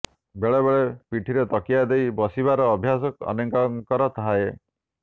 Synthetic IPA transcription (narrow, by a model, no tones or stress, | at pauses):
beɭebeɭepiʈʰiɾet̪ɔkijad̪ejbɔsibaɾɔːbʱjasɔkɔ̰nɔŋkaŋkɔɾɔt̪ʰaɦae